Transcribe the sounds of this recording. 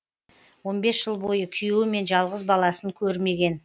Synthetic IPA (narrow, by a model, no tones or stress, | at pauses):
wo̞nbe̞sʒ̥əlˠbo̞jəkʲʰijewɪme̞nʒɑlˠʁəzbɑlˠɑsəŋkʲʰɵɾme̞ɡʲe̞n